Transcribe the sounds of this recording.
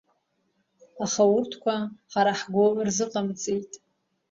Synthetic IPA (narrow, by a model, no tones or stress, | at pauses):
aχawʊrtʰkʷʰaħaɾaħɡʷoʔrzɨqʼamt͡sʼijtʼ